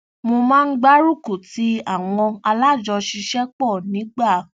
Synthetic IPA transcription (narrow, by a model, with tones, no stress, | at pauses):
mo˧mãː˦˧n̩˦ɡ͡ba˦ɾu˦˨ku˨ti˨˦a˦˨w̃ɔ̃˧a˧la˦˨d͡ʒɔ˧ʃi˧ʃɛ˦k͡pɔ˦˨nĩ˨˦ɡ͡ba˦˨